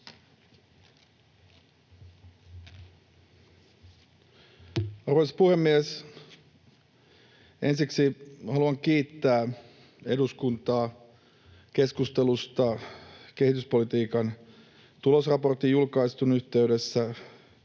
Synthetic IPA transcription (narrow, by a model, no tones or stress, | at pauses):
ɑrʋojspuhe̞mːies | e̞nsiksihɑluɑŋk̟iːt̪ːæː | eduskunt̪ɑː | ke̞skust̪e̞lust̪ɑke̞hit̪yspo̞lit̪iːkɑn | t̪ulo̞srɑpo̞rt̪ijjulkɑist̪unyçt̪e̞yde̞sːæ